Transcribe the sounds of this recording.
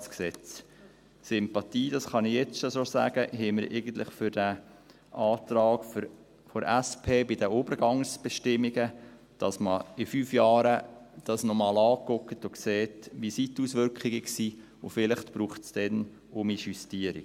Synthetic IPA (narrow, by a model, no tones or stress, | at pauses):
sksɛt͡s | sɪmpɑt̪iːd̥ɑsχɑnɪjɛt͡sʃɔsosæ̰ːɡ̥əɦɛməɾʔḛɪɡən̩t̪lɪχfʏɾd̥æ | ʔɑːt̪ɾɑːɡ̥f | fɔɾæspʰeːbɪdəobəɾɡɑŋsb̥ɛʃtɪmːiɡə | d̥ɑsməɪfyːfjɑːɾəd̥ɑsnɔmɑːlɑːkʊkətʊkseːtʋisitusʋʏɾkχiɡəksiː | ʊfɪlɪχtb̥ɾuːχtsd̥ɛn | ʊmiʃystiəɾḭ̥